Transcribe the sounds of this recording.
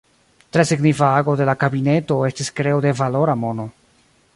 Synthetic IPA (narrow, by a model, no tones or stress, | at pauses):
tɾe̞siɡnifaaɡo̞de̞lakabine̞to̞e̞stiskɾe̞ode̞valo̞ɾamono̞